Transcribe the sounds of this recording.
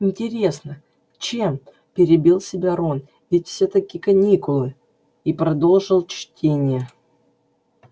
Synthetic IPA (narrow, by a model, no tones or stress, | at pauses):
ɪnʲtʲɪɾʲe̞snə | t͡ɕem | pʲɪɾʲɪbʲilˠsʲɪbʲaɾon | vʲɪtʲfsʲet̪ɐkʲikɐnʲikʊlˠɨ | ipɾɐd̪o̞lˠʐɨlˠt͡ɕtʲʰenʲɪjə